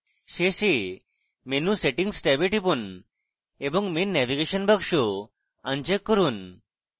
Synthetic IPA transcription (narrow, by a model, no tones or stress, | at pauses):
ɕeɕe | menũseʈĩŋɡsʈɛbeʈipun | ebəŋɡmenːɛʋiɡeɕənbəkʂu | ãnd͡ʑekːəɾuːn